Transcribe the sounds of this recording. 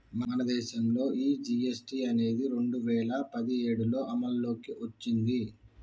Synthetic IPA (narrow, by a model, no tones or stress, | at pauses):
mɐmɐnɐd̪ɛːʃɐmlo̞ːʔiːd͡ʒiesʈiːɐne̞ːd̪iɾe̞ɳɖuʋɛːlɐpɐd̪ie̞ːɽulo̞ːʔɐmɐlːo̞ːkiʔot͡ʃːind̪i